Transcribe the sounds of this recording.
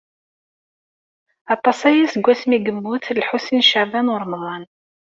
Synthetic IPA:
ɑt̪ˤːɑsˤæjisəɡʷːæsmiɡəmːuθlħusinʃaʕvænʊɾˤmðˤɑn

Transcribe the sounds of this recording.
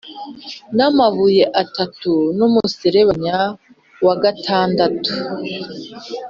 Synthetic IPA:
namavuje̞ʔatatunumuseɾewaɲa | waɡatʰaːndatu̥

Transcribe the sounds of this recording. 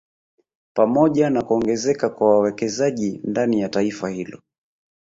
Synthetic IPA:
pamɔʄanakuɔŋɡɛzɛkakwawawɛkɛzaʄindanijataifahilɔ

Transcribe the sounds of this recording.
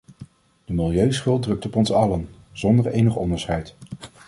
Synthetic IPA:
d̥əmɪlˠjøɥsχɵlˠdrɵk̚tɔpɔnsɑlən | z̥ɔndəɹejnəχɔndəɹsχɛjt

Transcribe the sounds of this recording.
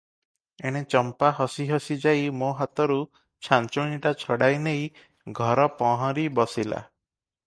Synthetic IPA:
eɽ̃et͡ʃɔmpaɦɔsiɦɔsid͡ʒajmoɦat̪ɔɾu | t͡ʃʰant͡ʃoɽ̃iʈat͡ʃʰɔɽajnej | ɡʱɔɾɔpɔɦɔ̃ɾibɔsila̰

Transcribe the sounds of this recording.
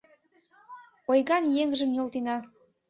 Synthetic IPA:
ojɣɑnjeŋʒə̆mj̪ʲolt̪enɑ

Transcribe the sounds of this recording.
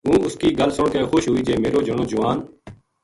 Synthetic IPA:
ɦũːʊskiːɡəlsʊɳkeːxoːʃɦʊːiːd͡ʒeːmeːɾoːd͡ʒəɳ̃õːd͡ʒʊʋaːn

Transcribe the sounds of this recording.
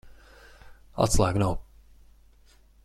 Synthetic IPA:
a̰tslaɪknoʊ

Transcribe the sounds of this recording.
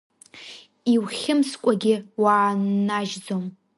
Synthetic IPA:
iwχʲɪmskʷʼaɡʲɪwaːnːaʒd͡zom

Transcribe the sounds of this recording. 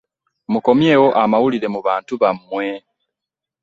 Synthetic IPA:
muko̞mje̞ːwo̞ʔamawuliɾe̞muβaːntuβamːwe

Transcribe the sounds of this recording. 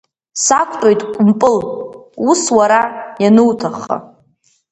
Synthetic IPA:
sakʷʰtʼojtʼkʷʼʊmpʼɨluswaɾajanɨwtʰaχːa̰

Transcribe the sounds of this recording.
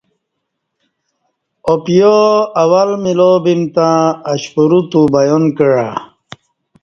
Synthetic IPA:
opijoawalmilobimt̪ãːɕpuɾut̪ubajonkəɻa

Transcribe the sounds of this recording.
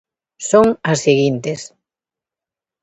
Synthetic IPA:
soŋɐsːeɣint̪es

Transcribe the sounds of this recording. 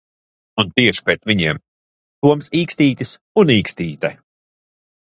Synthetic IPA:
unt̪iɛʃi̥pɾɛːt̪vʲiɲiɛm | t̪uɔmsiːkst̪iːt̪ʲis | uniːkst̪iːt̪ɛ

